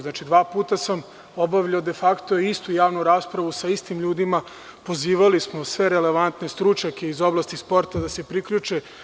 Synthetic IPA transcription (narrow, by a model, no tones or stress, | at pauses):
znaːt͡ʃid̪ʋaːpuːt̪asam | o̞baʋʎaod̪e̞fakt̪o̞iist̪ujaːʋnuɾaːspɾaʋusaist̪imʎuːd̪ima | po̞ziːʋalismo̞sʋe̞ɾele̞ʋant̪ne̞st̪ɾut͡ʃɲake̞izo̞blˠaːst̪ispo̞ɾt̪ad̪ase̞pɾikʎut͡ʃe